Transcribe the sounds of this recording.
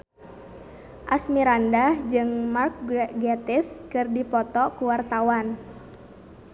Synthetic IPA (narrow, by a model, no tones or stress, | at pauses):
ʔasmiɾandahd͡ʒɨŋmark̚ɡɛt̪ɪskɨrdipɔt̪ɔkuwart̪awan